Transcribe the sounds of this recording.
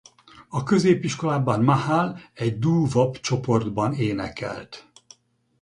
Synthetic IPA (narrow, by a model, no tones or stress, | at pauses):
ɒkø̞zeːpiʃko̞laːbɒnmahaːlɛɟd̪uːvopt͡ʃo̞po̞rd̪bɒneːnɛ̰kɛ̰lt̪